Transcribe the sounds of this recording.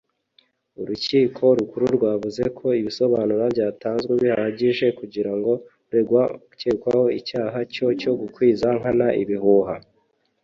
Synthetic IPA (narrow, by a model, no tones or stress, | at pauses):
uɾuciːkʰo̞ɾukuɾuɾɡwaːβuze̞kʰo̞iβiso̞βanuɾabɟaːtaːnzɡweβihaɟiʒe̞kuɟiɾaŋɡo̞ | ɾe | ceːkwaho̞icaːɦaco̞co̞ɡukwiːzaŋ̥hanaʔḭβiɦuɦa